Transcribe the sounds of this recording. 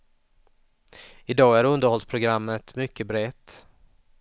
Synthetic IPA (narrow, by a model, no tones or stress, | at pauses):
ɪd̪ɑːæɾɵnd̪əɾhɔlspʰɾʊɡɾamːət̪mʏkʰːəbɾɛt̪